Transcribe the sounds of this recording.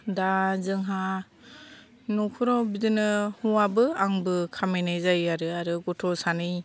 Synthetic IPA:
dazɯŋɦa | nukʰɯɾɔbidɯnɯhuabɯaŋbɯkʰamenajzajaɾɯaɾɯɡɔtʰɔsanɯj

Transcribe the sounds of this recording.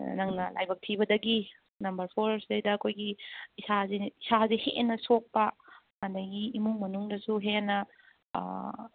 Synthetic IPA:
nɐŋnɐ̰la̰jbɐk̚tʰibɐdɐɡi | nɐmbɐɾpʰoɾsdejdɐːkʰojɡiːsazeisazehenɐsok̚pɐ | kandɐɡiimuŋmɐnuŋdɐsuɦenɐ̰

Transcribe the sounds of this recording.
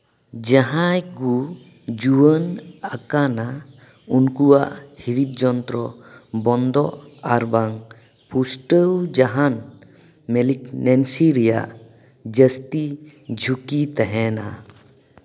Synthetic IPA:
d͡ʒaɦajɡu | d͡ʒuwənakana | unkuwaʔhiɾit̪̚d͡ʒɔnt̪ɾɔbɔnd̪ɔʔaɾbaŋ | pʰusʈəwd͡ʒaɦan | mɛliknɛnsiɾɛja̰ʔ | d͡ʒəst̪id͡ʒʱukit̪ɛɦɛna̰

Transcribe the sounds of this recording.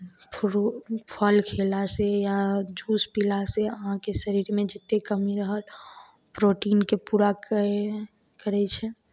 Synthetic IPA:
pʰ | pʰəlkʰelasejad͡ʒuspilaseəɦãkesəɾiɾmed͡ʒɪt̪ːekəmiɾəɦəl | pɾoʈiːnkepuɾak | kəɾɛt͡ʃʰɛ

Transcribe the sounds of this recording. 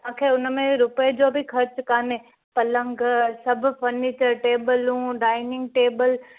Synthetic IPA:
mãːkʰeːʊnmẽɾʊpəd͡ʑoːbʱixʰɐɾt͡ɕkaːneː | pɐlə̃ŋɡsɐbʱʊ̆fɐɾniːt͡ɕəɾʈeːbəlɦũːɖaːɪnɪ̃ŋɡ̚ʈeːbəl

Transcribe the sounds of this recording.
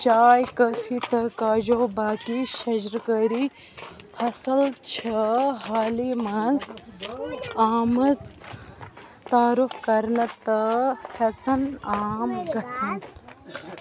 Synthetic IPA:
t͡ʃaːjkɐfʰit̪ɐkaːʒoːbaːkiʃɐʑɾkəɾi | fʰɐsɐlt͡ʃʰɐɦaːliːmɐnz | aːmɐt͡s | t̪aːɾufkɐɾnɐt̪ɐhɐt͡sʰɐnaːmɡɐt͡sʰɐn

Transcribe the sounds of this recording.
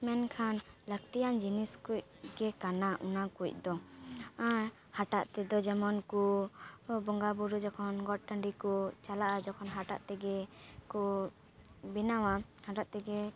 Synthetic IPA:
mɛnkʰanlək̚t̪ijand͡ʒiniskuc̚ɡɛkanaʔunakuc̚ˀd̪ɔa | haʈaʔt̪ɛd̪ɔd͡ʒɛmɔnku | bɔŋɡabuɾud͡ʒɔkʰɔnɡɔʈ̚ʈəɳɖikɔt͡ʃalaʔad͡ʒɔkʰɔnɦaʈa̰ʔt̪ɛɡɛkɔ | binawahaʈaʔt̪ɛɡɛ

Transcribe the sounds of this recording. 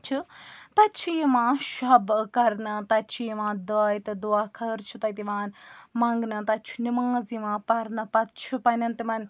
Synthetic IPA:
t͡ʃʰut̪ɐt͡ʃʰijimãːʃɐbkɐɾnɐt̪ɐt͡ʃʰijiʋãːd̪ɐːjt̪ɨd̪uaːkʰɐɾt͡ʃʰut̪ɐt̪iʋãːnmɐ̃ŋɡnɐt̪ɐt͡ʃʰu̥nimãːziʋãːpɐɾnɐpɐt̪̚t͡ʃʰupɐnɐnt̪imɐn

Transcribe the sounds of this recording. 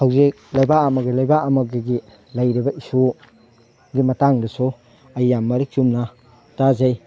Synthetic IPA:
hawzik̚lajbaɐmɐɡilajbaʔɐmɐɡeɡi | lɐjɾibɐiso | ɡimɐtaŋdɐso | ɐjːamːɐɾik̚t͡ʃumna | tazaj

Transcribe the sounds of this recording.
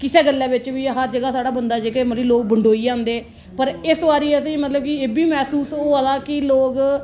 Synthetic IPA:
kɪseːɡəlːɛ̃ːbɪt͡ʃʋiːɦəɾd͡ʒəɡaːsaːɽaːbənd̪aːd͡ʒeːkeːmət̪liloːk̚bəɳɖoːiːd͡ʒãːnd̪eː | pəɾɪsʋaːɾiːəsĩːmət̪ləb̚kɪeːbiːmɛːsuːsoːalaːkɪloːk

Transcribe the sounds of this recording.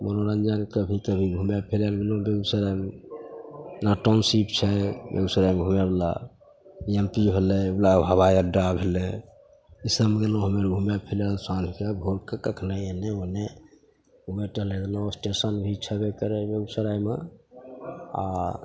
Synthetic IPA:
mənoɾənd͡ʒankəbʱikəbʱiɡʱumjapʰelalɡelõbeɡsəɾajm | naʈomsipt͡ʃʰɛbḛɡsəɾajmeɡʱumebla̰ | empiɦelɛblabʱəβajəɖabʱelɛ | isəmɡelõɦəmeɾɡʱumapʰeljalsãd͡ʒʱkebʱoɾkəkəkʰnaeneone | ueʈəɦleɡelõsʈesənbʱit͡ʃʰɛbekəɾɛbeɡsəɾajme | a̰

